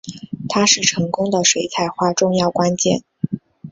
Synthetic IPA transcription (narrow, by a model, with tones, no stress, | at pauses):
t̪ʰa˥ʂɻ̩˥˩ʈ͡ʂʰɤ˧˥ŋkʊ˥ŋd̪ə˨ʂwe˧˥ɪt͡sʰa˧˩ɪxwa˥˧ʈ͡ʂʊ˥˧ŋjɑ˥˩ʊkwa˥nt͡ɕjɛ̰˥˩n